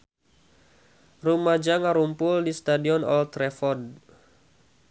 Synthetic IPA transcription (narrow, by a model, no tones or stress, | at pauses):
rumad͡ʒaŋaɾumpʊldist̪adiɔnɔ̰lt̪ɾɛfɔd̚